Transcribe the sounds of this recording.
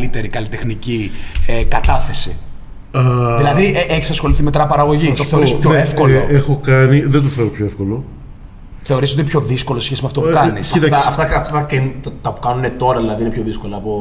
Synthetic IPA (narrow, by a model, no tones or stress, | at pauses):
lit̪e̞ɾikɐlit̪exniciekɐt̪ɐθe̞si | ɐðilɐðieʔeçi̥sɐsxo̞liθimet̪ɾɐpɐɾɐɣo̞ʝit̪oθeɾispçoefko̞loexokɐniðend̪uθeɾopçoefkolo̞ | θe̞o̞ɾisoinpço̞ðiskolosisçe̞simeɐft̪opukɐnisɐit̪ɐt̪ɐft̪ɐfɐkɐnt̪t̪ɐpu̥kɐnune̞t̪o̞ɾɐðilɐðinepço̞ðisko̞lɐːpo